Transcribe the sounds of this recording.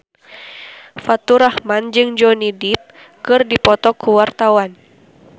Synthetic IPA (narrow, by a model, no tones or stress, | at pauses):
fat̪uɾahmand͡ʒɨŋd͡ʒɔnidip̚ | kɨrdipɔt̪ɔkuwart̪awan